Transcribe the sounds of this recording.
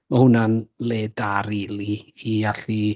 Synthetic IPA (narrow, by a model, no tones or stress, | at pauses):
mahʊnanleːdaɾiliiaɬi